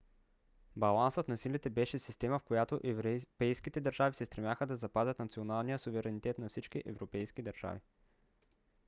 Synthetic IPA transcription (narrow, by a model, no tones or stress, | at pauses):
bɐlˠansət̪nɐsilit̪ɛbɛʃɛsist̪ɛməfkojat̪oʔpɛjskit̪ɛd̪ɐɾʒavisɛst̪ɾɛmʲjaxəd̪ɐzɐpazʲət̪nɐt̪sionalˠnijəsuvɛɾɛnit̪ɛt̪nɐfsit͡ʃkiʔɛ̰vɾopɛjskid̪ɐɾʒ̥a̰vi